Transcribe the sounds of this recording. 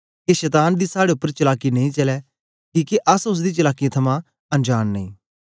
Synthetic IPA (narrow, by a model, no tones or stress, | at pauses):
keʃɛːt̪aːnd̪iːsaːɽeʊpːəɾt͡ʃəlaːkːinɐ̃ĩt͡ʃɐlɛː | kiːkiʔɐsʊs̬d̪iːt͡ʃəlaːkːiãt̪ʰɐmãː | ɐ̃nd͡ʒaːnːɐ̰̃ḭ̃ː